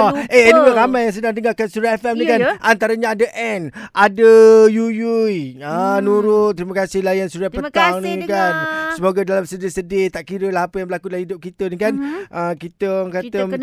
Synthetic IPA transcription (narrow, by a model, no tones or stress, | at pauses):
eənimaɾamãjaŋs̬ədaŋdəŋarkansuɾaɛfɛmnikanʔant̪aɾəɲaadaʔɛnʔadəjujujənuɾʊt̪ːɾimakasɪhlajansuɾapət̪aŋnikansəmoɡadalamsədɪsədɪt̪aʔkiɾəlaɦapəjaŋbəlakudəlahidʊp̚kit̪ənikanʔəkit̪əŋkat̪ə